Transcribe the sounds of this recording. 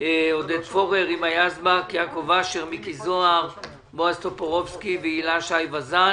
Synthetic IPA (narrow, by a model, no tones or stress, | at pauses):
od̪ed̪fo̞ʁeʁimajazbakjakovaʃeʁmikizoaʁ | boast̪opoʁofskiveilaʃajvaza